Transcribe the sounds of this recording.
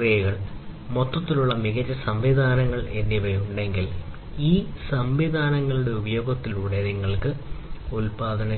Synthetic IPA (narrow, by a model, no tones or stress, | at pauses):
rijɐɣɐɭmot̪ːɐt̪ːiluɭːɐmiɣɐɾɐsɐmʋid̪ʱaːnɐŋːɐɭenːiʋɐjuɳɖe̞ŋɡil | iːsɐmʋid̪ʱaːnɐŋːɐɭuɽe̞ubɐjo̞ːɡɐt̪ːiluːɽe̞niŋːɐɭkɨulpaːd̪ʱɐnɐ